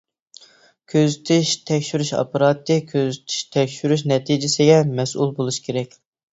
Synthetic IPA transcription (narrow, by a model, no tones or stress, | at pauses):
kʲʰøzyt̪ʰɪʃt̪ʰɛkʲʃyɾyʃɑ̰pɑɾɑt̪ːɨkʲʰøzyt̪ʰɪ̥ʃt̪ʰɛkʲʃyɾyʃnɛt̪ʰid͡ʒɪsɪɡʲɛmɛsulˠbolˠuʃkʲʰeɾɛkʲ